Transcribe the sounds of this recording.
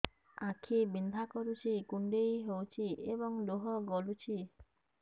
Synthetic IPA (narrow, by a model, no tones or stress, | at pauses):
akʰibind̪ʱakɔɾut͡ʃʰikuɳɖejɦewt͡ʃʰiebɔŋd̪oɦɔɡɔlut͡ʃʰi